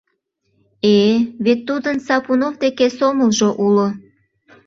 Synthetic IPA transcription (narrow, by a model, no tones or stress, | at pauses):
eβet̪ːud̪ənsɑpunovd̪ekesoməlʒoʔulo